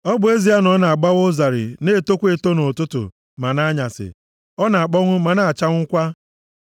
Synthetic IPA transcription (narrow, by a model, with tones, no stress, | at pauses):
ɔ˦bʊ˨e˦zi˨˦a˦nɔ˦na˨a˨ɡ͡ba˦ɣo˦za˨ɾɪ̰˨ne˦˨to˦kʷe˨to˦no˨tʊ˦tʊ̰˨ | ma˨na˦ɲa˨sɪ̰˨ | ɔ˦na˨a˨k͡pɔ˦ŋʷʊ˦ma˨na˨a˨t͡ʃa˦ŋ̩ʷ˦kʷa˦